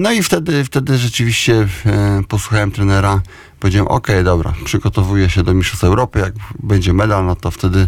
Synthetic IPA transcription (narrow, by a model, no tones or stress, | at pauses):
nɔift̪ɛd̪ɘft̪ɛd̪ɘʐɛt͡ʂɘvʲiɕt͡ɕɛpɔswuxawɛmt̪ɾɛnɛɾa | pɔvʲed͡ʑawɛ̰mʔɔ̰kɛjd̪ɔbɾa̰pʂɘɡɔt̪ɔvujɛɕɛd̪ɔmʲiʂɔst̪fɛwɾɔpɘjaɡ̚bɛɲd͡ʑɛmɛd̪alnɔt̪ɔft̪ɛd̪ɘ